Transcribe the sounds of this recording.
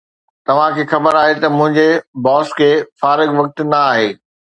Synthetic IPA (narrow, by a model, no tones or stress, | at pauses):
t̪ɐʋ̤ãkʰeːxɐbəɾaːɦet̪ɐmʊ̃ɦɪ̃ɲd͡ʑebɔːskʰeːfaːɾɪɡʋɐk̚t̪nɐaːɦeː